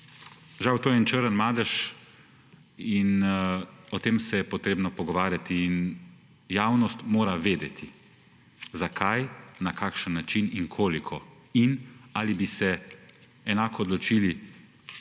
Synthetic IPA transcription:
ʒawt̪oːjɛnt͡ʃəɾənmaːd̪ɛʃ | in | ɔt̪eːmsɛjɛpɔt̪ɾeːbnɔpɔɡɔʋaːɾjat̪iːn | jaːwnɔst̪moːɾaʋeːd̪ɛt̪ʰi | zakʰajnakʰakʃənːat͡ʃiniŋkʰoːlikʰɔ | inaːlibisɛ | ɛnaːkɔːd̪lɔt͡ʃiːli

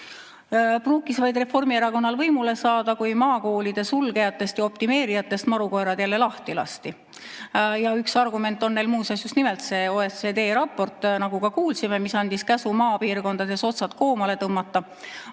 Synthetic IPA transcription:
pruːkːˑisvɑjd̪re̞fo̞rmieɾɑko̞nːɑlvɤjmule̞sɑːd̪̥ɑkujmɑːko̞ːlid̪̥e̞sulɡ̥e̞jɑt̪ːˑe̞st̪jɑo̞pt̪ime̞ːɾijɑt̪ːˑe̞st̪mɑɾuko̞ɾɑd̪jælːe̞lɑht̪ilɑ̰st̪i | jɑyksɑrɡume̞nt̪ːˑo̞nːe̞jlmuːsɑsjust̪nimelt̪se̞ːoːesed̪e̞ːɾɑpːˑo̞rt̪ːˑnɑɡ̥ukɑkuːlsime̞misɑnd̪̥iskæsumɑːpiːrko̞nd̪̥ɑd̪̥e̞so̞t̪sɑt̪ko̞ːmɑle̞t̪ɤmːɑt̪ːˑɑ

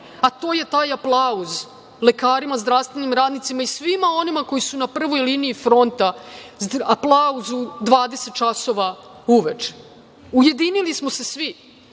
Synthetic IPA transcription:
at̪o̞ːje̞t̪aːjaplˠauz | le̞kaːɾimazd̪ɾaʋst̪vʋe̞nimɾaːd̪nit̪simaisʋimao̞nimako̞jisunapr̩ʋo̞jliniːfɾo̞nt̪a | aplˠauzud̪ʋaːd̪e̞set̪̚t͡ʃaso̞ʋa | uʋet͡ʂe̥ | uje̞d̪inilismo̞se̞sʋi

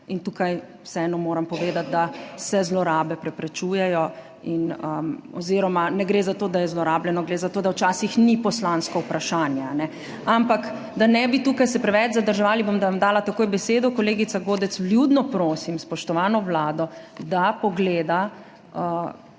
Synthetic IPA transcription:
int̪uːkaj | wsɛɛːnɔmoːɾampɔʋeːd̪at̪̚d̪asɛzlɔɾaːbɛpɾɛpɾɛt͡ʃuːjɛjɔ | inəɔ̰ziɾɔmanɛɡɾeːzat̪oːd̪ajɛzlɔɾaːblɛnɔɡɾeːzat̪oːd̪awt͡ʃaːsixnipɔslanskɔupɾaʃaːnjɛanɛ | ampak | d̪anɛbit̪uːkajsɛpɾɛʋɛt͡ʃzad̪əɾʒɛʋaːlibomd̪aʋamd̪aːlat̪akoːjbɛseːd̪ɔkɔleːɡit̪saɡoːd̪ɛt̪sbljud̪nɔpɾoːsimspɔʃt̪ɔʋaːnɔʋlaːd̪ɔd̪apɔɡleːd̪a | ə

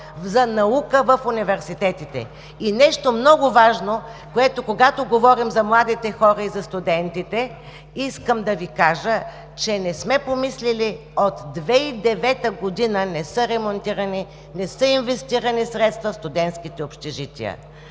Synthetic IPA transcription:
zɐnɐukəvəfʊnivɛɾsit̪ɛt̪it̪ɛ̰ | inɛʃt̪omnɔɡʊvaʒnokoɛt̪okoɡat̪oɡovɔɾimzɐmlˠad̪it̪ɛxɔɾəizɐst̪ʊd̪ɛnt̪it̪ɛ | iskəmd̪ɐvikaʒə | t͡ʃɛnɛsmɛpomislili | ot̪d̪vɛid̪ɛvɛt̪əɡod̪inənɛsɤɾɛmont̪iɾəni | nɛsɤinvɛst̪iɾənisɾɛt̪st̪vɐfst̪ʊd̪ɛnt̪sk̟it̪ɛopʃt̪ɛʒit̪ʲḭə̰

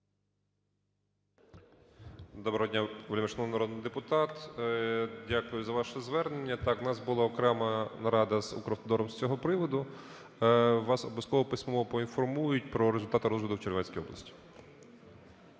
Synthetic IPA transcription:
d̪ɔbɾɐɦɔdʲnʲaʋelʲimeʃnɔnɐɾɔd̪nɪjd̪epʊt̪ɑt̪ | dʲakʊjʊzɐʋɑʃɛzʋɛrnenʲːɐt̪ɑknɑsbʊlˠɑɔkɾɛmɐnɐɾɑd̪ɐzṵkɾɔft̪ɔd̪ɔɾɔmst͡sʲɔɦɔpɾɪʋɔd̪ʊ | ʋɑsɔblʲˠɐskɔʋɔpɪsʲmɔɔpɔinfɔrmujʊt̚ʲpɾɔɾezʊlʲt̪ɑt̪ɪɾɔzʋʲɪd̪ʊwt͡ʃelʲʋɛnʲsʲkijɔ̰blˠɐ̰sʲtʲi̥

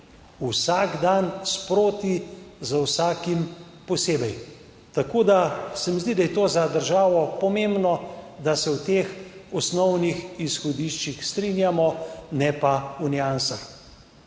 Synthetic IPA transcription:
usaɡd̪anspɾoːt̪izawsaːkim | pɔseːbɛj | t̪akoːd̪asɛmizd̪id̪ajɛt̪oːzad̪əɾʒaːʋɔpɔmembnɔd̪asɛwt̪eːxɔsnɔwnixisxɔd̪iʃt͡ʃixst̪ɾinjamɔnɛpaunjansax

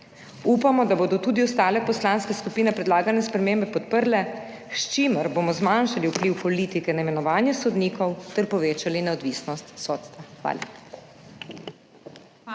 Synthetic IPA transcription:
upamɔd̪aboːd̪ɔt̪uːd̪iɔst̪aːlɛpɔslaːnskɛskupiːnɛpɾɛd̪laːɡanɛspɾɛmeːmbɛpɔt̪pəɾlɛ | ʃt͡ʃiməɾboːmɔzmanʃaliuwpliwpɔliːt̪ikɛnaimɛnɔʋaːnjɛsɔd̪niːkɔwt̪ɛɾpɔʋeːt͡ʃalinɛɔd̪ʋiːsnɔst̪soːt̪st̪ʋaxʋa̰ːli

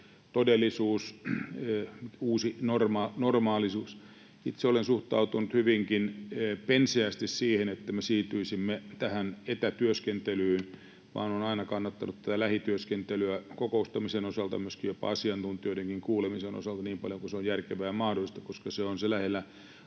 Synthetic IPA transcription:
t̪odelːˑisuːs | uːsinormɑnormɑːlisuːs | sit̪seolensuht̪ɑ̰ut̪unut̪hyʋiŋkinːpensiæst̪issiːhenet̪ːæmesiːt̪yisimːet̪æhænet̪æt̪yøskent̪elyːn | ʋɑ̰ːnonɑinɑkɑnːɑt̪ːɑnut̪t̪ːæt̪ælæhit̪yøskent̪elyækokoust̪ɑmisenosɑlt̪ɑ̰myøskijjopɑ̰ɑsiɑnt̪unt̪ˑiodeŋkiŋkuːlemiseno̰sɑlt̪ɑniːmpɑ̰ljokuseojjærkeʋæjɑmɑhdolist̪ɑkoskɑseonselæhelːæ

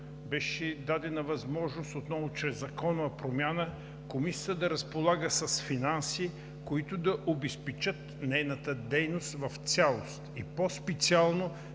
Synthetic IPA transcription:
bɛʃɛd̪ad̪ɛnɐvɐzmɔʒnost̪ot̪nɔvʊt͡ʃɾɛzːɐkɔnʊɐpɾomʲjanə | komisʲiə̥t̪əd̪ɐɾɐspolˠaɡəsɐsfinansi | koit̪ʊd̪ɐʔobɛspɛt͡ʃət̪ | nɛjnət̪əd̪ɛjnost̪vɐft̪sʲalˠost̪ipɔspɛt̪sialˠno

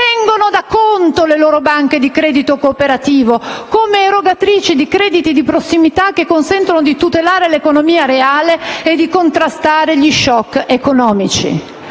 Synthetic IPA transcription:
tɛŋɡonod̪akːont̪oleloːɾobaŋk̟ed̪ikɾɛːd̪it̪okoːpeɾat̪iːvokomeːɾoɡat̪ɾiːt͡ʃid̪ikɾɛːd̪it̪id̪ipɾosːimit̪akːekːonsɛnt̪onod̪it̪ut̪elaːɾelekonomiːaɾeaːleed̪ːikont̪ɾast̪aːɾeʎiʃɔkːekonɔːmit͡ʃḭ

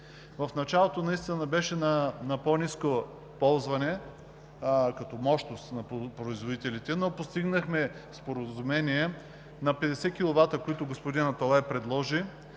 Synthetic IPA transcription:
vɐfnɐt͡ʃalˠot̪onɐist̪inɐbɛʃɛnɐnɐpɔnʲisko | pɔlˠzvɐnɛ | kɐt̪ɔmɔʃnost̪nɐpɾoizvod̪it̪ɛlit̪ɛnopost̪iɡnɐxmɛspoɾəzumɛniɛ | nɐpɛd̪ɛsɛkʲilˠovat̪ɾəkoit̪ʊɡospod̪inɐt̪olˠapɾɛd̪lˠɔʒi

